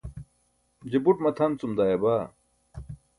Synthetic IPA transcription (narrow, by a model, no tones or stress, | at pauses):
d͡ʑebuʈmɐt̪ʰɐnt͡sumd̪aːjebaː